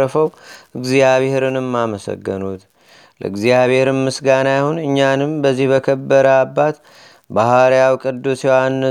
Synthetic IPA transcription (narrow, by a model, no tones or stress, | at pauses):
əfəwɨɡzijaβheɾɨnɨmːaməsə̰ɡːənut̪ | lə̰ɨɡzijaβeɾɨmmɨsɡanajahunɨɲːanɨmbəzːihbəkʰəbːəɾəabːat̪ | bahaɾjawkʼɨd̪ːusewanː